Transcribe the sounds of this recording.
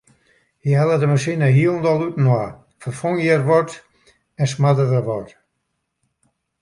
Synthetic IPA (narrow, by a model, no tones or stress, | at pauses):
hihɛlˠədəməsinəɦiəlˠndɔlˠutn̩wa | fərfoŋjərʋɔt | ɛnsmadədəʋɔt